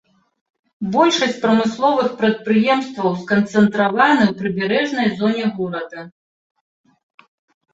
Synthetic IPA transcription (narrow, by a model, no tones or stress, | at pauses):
bɔlʲʂɐsʲt͡sʲpɾɐmɨslˠɔvɨxpɾɐt̪̚pɾɨjɛmst̪vɐwskɐnt̪sɛnt̪ɾavanɨwpɾɨbʲɛɾɛʐnɐjzɔnʲɛɣɔɾɐd̪ɐ